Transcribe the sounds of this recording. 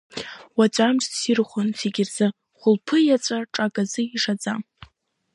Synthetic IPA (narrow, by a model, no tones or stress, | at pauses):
wat͡ʃʷʼamʂtsirχʷʊnsiɡʲɪrzɨ | χʷʊlpʰɨjat͡sʷʼaʈ͡ʂʼakʼazɨiʂad͡zʼa